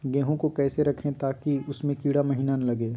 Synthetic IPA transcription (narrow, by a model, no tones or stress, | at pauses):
ɡɛ̃ːɦõkokɛːseɾɐkʰẽt̪aːkiʊsmẽkiːɽamɐɦiːnanɐlɐɡẽː